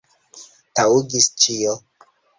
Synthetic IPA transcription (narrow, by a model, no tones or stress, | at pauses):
tauɡist͡ʃio